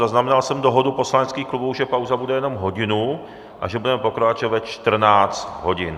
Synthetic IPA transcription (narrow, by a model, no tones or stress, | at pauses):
zaznamɛnalsɛmdoɦo̞dupo̞slanɛt͡skiːxklubuwʒɛpawzabudɛjɛno̞mɦoɟɪnu | ʔa̰ʒɛbudɛmɛpokɾat͡ʃɛvatt͡ʃt̪r̩naːt͡st̪ɦo̞ɟɪn